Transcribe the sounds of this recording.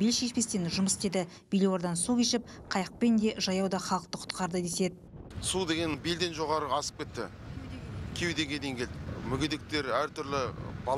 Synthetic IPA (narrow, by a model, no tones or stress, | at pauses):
belʃeʃpe̞st̪e̞nʒʊməst̪ed̪ɪ | b̥elewo̞ɾd̪ɑnsukʲeʃɪp̚ | qʰɑjəq̚pe̞nd̪e̞ʒɑjɑwd̪ɑχɑlˠəq̚t̪əqʰʊ̥t̪qɑɾd̪əd̪e̞se̞d̪ɪsud̪e̞ɡʲe̞nbeld̪e̞nʒo̞ʁɑɾəɑsə̥p̚kʲe̞t̪ːɪ̰ | kʲʰewd̪e̞ɡʲe̞d̪ejŋɡʲe̞ld̪ɪmʏɡʲed̪e̞k̚t̪e̞ɾæɾt̪ʰʏɾlɪbɑ